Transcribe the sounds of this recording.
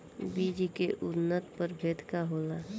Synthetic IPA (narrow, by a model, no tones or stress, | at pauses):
biːd͡ʒkeʔʊnːət̪pəɾbʱeːd̪ʱkaɦoːlaː